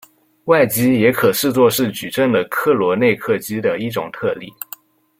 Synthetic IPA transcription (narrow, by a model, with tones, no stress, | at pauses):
wa˥˩ɪt͡ɕi˥jɛ˧˥kʰɤ˨˩ʂɻ̩˥˧t͡swɔ˥˧ʂɻ̩˥˩t͡ɕy˨˩ʈ͡ʂə˥˩ŋlə˩kʰɤ˥˩lwɔ˧˥ne˥˧ɪkʰɤ˥˩t͡ɕi˥d̪ə˨i˥˩ʈ͡ʂʊ̰˨˩ŋt̪ʰɤ˥˧lḭ˥˩